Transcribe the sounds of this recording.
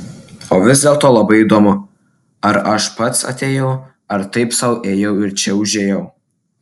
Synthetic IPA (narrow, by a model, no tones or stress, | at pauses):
oːʋʲɪzʲd̪ʲeːlˠt̪oːlˠɐbɐɪid̪oːmʊ | ɐɾɐʃpɐt̪sɐ̰t̪ʲeːjɛʊ | ɐɾt̪ɐɪpsɐʊʔeːjɛʊɪɾt͡ʃʲɛʊʒʲeːjɛʊ